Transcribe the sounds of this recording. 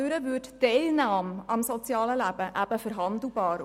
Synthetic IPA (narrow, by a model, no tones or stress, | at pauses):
øɾəvʏttɛɪlnaːmɑmsɔt͡sjɑːləlæb̥əʔæb̥əfəɾɦɑnd̪l̩ˠbɑːɾ